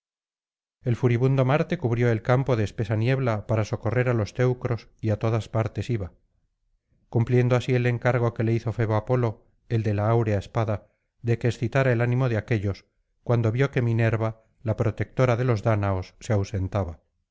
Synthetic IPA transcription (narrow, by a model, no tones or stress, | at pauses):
e̞lfuɾiβund̪o̞maɾt̪e̞kuβɾjo̞e̞lkampo̞ð̞e̞ːspe̞sanje̞βlapaɾaso̞ko̞re̞ɾalo̞st̪e̞wkɾo̞s | iat̪o̞ðaspaɾt̪e̞siβa | kumplje̞nd̪oasie̞le̞ŋkaɾɣ̞o̞ke̞le̞iθo̞fe̞β̞oapo̞lo̞ | e̞ld̪e̞laawɾeaespaða | ðe̞keːsθit̪aɾaelanĩmoð̞eake̞ʎo̞s | kwand̪o̞βjo̞ke̞mine̞ɾβa | lapɾot̪e̞k̚t̪o̞ɾaðe̞lo̞zðanaosːeawse̞nt̪aβa